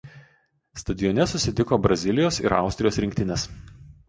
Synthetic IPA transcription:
st̪ɐd̪ʲɪjɔnʲɛsʊsʲɪt̪ʲɪkoːbɾɐzʲɪlʲɪjoːsɪ̰ɾɑ̰ˑʊsʲt̪ʲɾʲɪjoːsɾʲɪŋʲk̚ʲt̪ʲɪnʲɛs

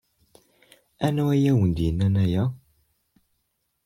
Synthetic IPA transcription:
anɔwɛjawundinanaja

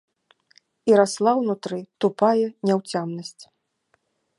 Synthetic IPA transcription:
iɾaslˠawnut̪ɾɨt̪upajɛnʲɛwt͡sʲamnɐsʲt͡sʲ

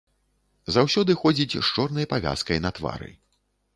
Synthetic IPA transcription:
zawsʲɔd̪ɨxɔd͡zʲit͡sʲʂt͡ʂɔrnɐjɐpavʲa̰skɐjnɐt̪va̰ɾɨ̰

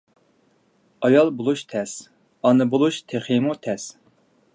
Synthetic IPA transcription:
ɑjɑlˠbolˠuʃt̪ʰɛs | ɑnɨbolˠuʃt̪ʰeχemut̪ʰɛs

